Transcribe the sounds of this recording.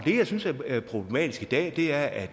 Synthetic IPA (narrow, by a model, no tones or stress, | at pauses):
d̥e̝jɑɪsynsæɐæɐpʰʁo̝b̥le̝mɛ̰ːd̥isɡ̥id̥ɛ̰ːd̥e̝æɐæ̥